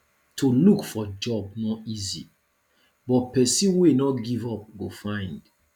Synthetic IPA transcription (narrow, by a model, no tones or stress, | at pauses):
tʰulukfɔd͡ʒɔb̚nɔizḭ | bɔt̚pɛsĩwenɔɡivɔp̚ɡofãɪ̃nd̥